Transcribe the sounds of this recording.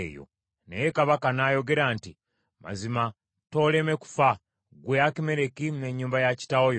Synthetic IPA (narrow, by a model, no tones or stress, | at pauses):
jo̰ | nejekaβakanajo̞ɡe̞ɾaːnti | ma̰zima | to̞ːle̞me̞ku̥fa | ɡweakime̞ɾe̞kimne̞ɲːuːmbajaci̥tawojo